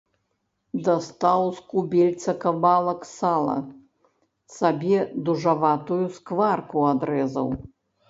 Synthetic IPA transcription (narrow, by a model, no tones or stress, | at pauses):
d̪ast̪awskubʲɛlʲt̪sɐkabalˠɐksalˠɐ̰ | sabʲɛd̪uʐavat̪ujuskvarkuad̪ɾɛzɐ̰w